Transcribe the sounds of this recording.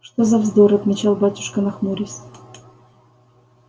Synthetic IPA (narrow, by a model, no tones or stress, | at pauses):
ʂt̪ozɐvzd̪oɾɐt̪mʲɪt͡ɕalˠbatʲʊ̥ʂkənɐxmuɾʲɪsʲ